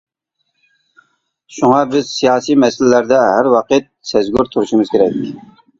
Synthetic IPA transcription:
ʃuŋɑbɪz̥sijɑːsimɛsɪlɪlæɾd̪ɛɦæɾwɑqɨt̪̚sɛzɡʲoɾt̪ʰuɾuʃimɨz̥kʲeɾɛk̚ʲ

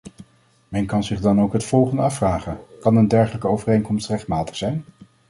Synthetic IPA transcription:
mɛnkɑnzɪχdɑnowkɦətfɔlˠχəndəɑfraːχəkɑnəndɛɹχələkəowvərejŋkɔmstrɛχtmaːtə̥χsɛjn

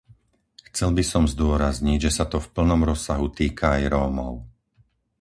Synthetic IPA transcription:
xt͡sɛlbisɔmzd̪ʊɔɾazɲiɟʒɛsat̪ɔfpl̩nɔmɾɔsaɦut̪iːkʰaːjɾɔːmɔ̰ʊ

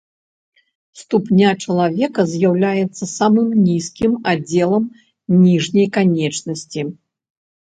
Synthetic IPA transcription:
st̪upnʲat͡ʂɐlˠavʲɛkɐzʲjawlʲajɛt̪sːɐsamɨmnʲiskʲimad͡zʲːɛlˠɐm | nʲiʐnʲɐjkanʲɛt͡ʂnɐsʲt͡sʲi

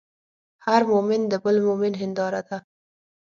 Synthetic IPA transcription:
haɾmomɪnd̪əbəlmomɪnɦɪnd̪ɑɾad̪a

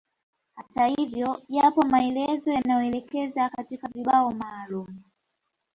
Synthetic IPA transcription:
hatahivjɔʄapɔmaɛlɛzɔjanajɔɛlɛkɛzakatikaviɓaɔmaːlumu

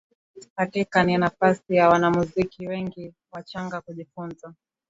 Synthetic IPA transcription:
hakikaninafasijawanamuzikiwɛŋɡi | wat͡ʃaŋɡakuʄifunza

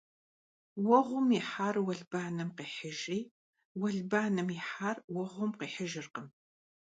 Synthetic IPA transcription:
wɐʁʷʊmiħaːrwɐɮbaːnɨmqiːħəʒiː | wɐɮbaːnɨmjɪħaːrwɐʁʷʊmqiːħəʒɨrqəm

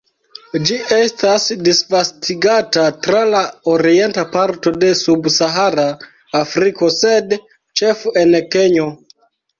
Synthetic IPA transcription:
d͡ʒiʔestasdisvastʰiɡatatɾalaoɾie̞ntapaɾto̞de̞subsaɦaɾaː | fɾiko̞sed | t͡ʃe̞fenke̞ɲo

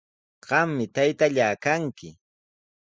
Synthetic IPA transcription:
ɢ̥ɑmːɪt̪ajt̪aʎaːkaŋkɪ

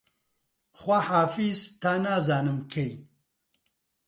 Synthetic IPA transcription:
xʷɐħaːfizt̪ʰaːnaːzaːnɨmkʰej

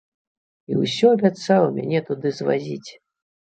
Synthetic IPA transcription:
ḭwsʲɔɐbʲat̪sawˠəmʲa̰nʲɛt̪ud̪ɨzva̰zʲit͡sʲ

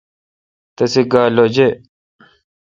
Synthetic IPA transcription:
t̪ɐsiɡaːloːd͡ʑe

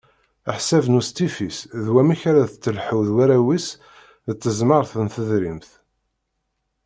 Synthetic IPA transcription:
əħsævnust̪ifisðwæmiçɾæðət͡sːəlħəwðwæɾæwis | ðət͡sːəzməɾˤθənθəðɾimθ

